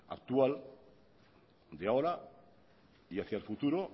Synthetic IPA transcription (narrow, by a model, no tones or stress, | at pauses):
a̰k̚t̪ual | d̪eaoɾa | iaθjaelfut̪uɾo